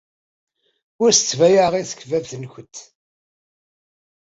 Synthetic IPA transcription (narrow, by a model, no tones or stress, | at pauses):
ʊɾsə̥t͡sːvæjaʁiθə̥kːvævθənçət̪